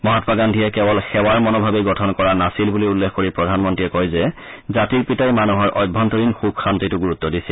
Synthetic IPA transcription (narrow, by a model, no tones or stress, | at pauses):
mɔɦatpaɡandʱijɛkɛbɔlxɛwaɹmɔnɔbʱabeɡɔtʰɔnkɔɹanasilbuliulːexkoɹipɹɔdʱanmɔntɹiɛkɔjzɛ | zatiɹpitajmanuɦɔɹʔɔjbʱːɔntɔɹinxub̚xantitʊɡuɹut̪ːɔdisil